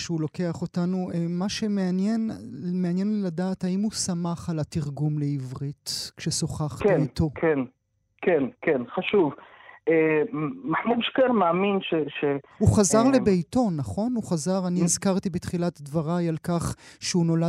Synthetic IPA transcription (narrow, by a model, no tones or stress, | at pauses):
ʃeulo̞ke̞aχo̞tanuʔemaʃemeanjenmeanjenladaːthaimusamaχalatiʁɡumle̞ivʁitkʃeso̞χaχbkeejtʰo̞kʰen | kenkenχaʃuvʔemaħmudʃkeɾmaːminʃeʃehuχazaʁlebejto̞naχo̞nuχazaʁaniizkaʁt̪ibetχilatdvaʁajalkaχʃeuno̞la